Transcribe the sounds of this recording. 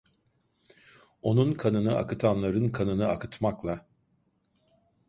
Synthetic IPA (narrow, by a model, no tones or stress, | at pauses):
o̞nunkʰanɯnɯa̰kɯt̪ʰanlˠaɾɯnkʰanɯnɯakɯt̪ʰmaklˠa